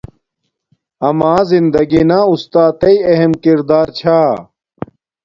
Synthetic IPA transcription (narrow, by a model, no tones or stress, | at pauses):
ɐmaːzind̪ɐɡinaːust̪aːt̪ɐiɐɦemkiɾd̪aːɾt͡ɕʰaː